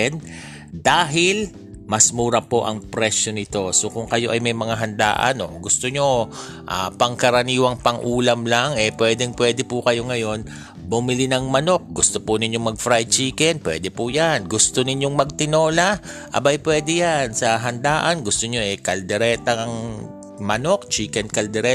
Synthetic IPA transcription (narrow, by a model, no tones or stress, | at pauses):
ɛn | d̪aːɦɪl | mɐsmuːɾɐpo̞ʔɐ̰ŋpɾɛʃjo̞nɪt̪o̞so̞kʊŋkɐjo̞ʔɐjmɐjmɐŋaɦɐnd̪a̰ːʔɐ̰no̞̰ɡʊst̪oɲo̞ | ʔapɐŋkɐɾɐniːwɐŋpɐŋʔuːlɐmlaŋɛpwɛːd̪ɛŋpwɛːd̪ɛpʊkɐjo̞ŋɐjo̞n | bʊmɪlinɐŋmɐno̞k̚ɡʊst̪opʊnɪɲjo̞ŋmɐɡ̚fɾajt͡ʃiːkɛnpwɛ̰ːd̪ɛpʊjanɡʊst̪onɪɲjo̞ŋmɐɡ̚t̪ɪno̞ːlɐ | ʔɐ̰bajpwɛːd̪ɛjansɐɦɐnd̪aːʔɐnɡʊst̪oɲo̞ʔɛkɐld̪ɛɾɛːt̪ɐŋɐŋ | mɐno̞k̚t͡ʃiːkɛnkɐld̪ɛɾɛ